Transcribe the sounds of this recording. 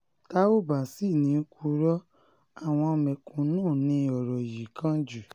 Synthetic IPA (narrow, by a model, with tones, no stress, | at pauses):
ta˦o˦ba˨si˦˨nĩ˨˧˦ku˧˦ɾɔ˦ | a˦˨w̃ɔ̃˧mɛ˨kũ˨nũː˦˨nĩ˧˦ɔ˨ɾɔ˨ji˨kã˦d͡ʒu˨